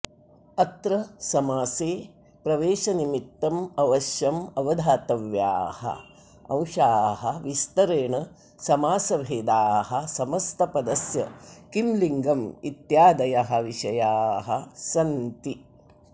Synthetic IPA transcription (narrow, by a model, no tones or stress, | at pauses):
ɐt̪ɾɐsɐmaːseː | pɾɐʋeːʃɐnimit̪ːɐmɐʋɐʃjɐmɐʋɐd̪ʱaːt̪ɐʋja̰ːhɐ̰ | ɐ̰̃w̃ʃaːɦɐʋist̪ɐɾeːɳɐ | sɐmaːsɐʋʱeːd̪aːɦɐsɐmɐst̪ʰɐpɐd̪ɐsjɐ̰kimliŋɡɐmit̪jaːd̪ɐjɐɦɐ̆ʋiʃɐjaːɦɐ̰sɐnt̪i